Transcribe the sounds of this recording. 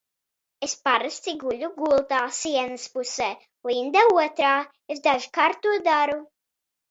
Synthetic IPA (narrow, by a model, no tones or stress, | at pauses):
espaɾɨst̪iɡuʎʲuɡulˠt̪aːsiɛnəspusɛː | uind̪ɛuɔt̪ɾaː | es̬d̪aʒikaɾt̪ːuɔd̪aɾu